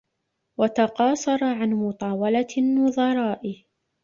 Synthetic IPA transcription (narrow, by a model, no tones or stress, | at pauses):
wat̪ɑqɑːsˤɑɾˤɑʕanmʊt̪ˤɑːwɑlanːʊðˤɑɾˤɑːʔɪ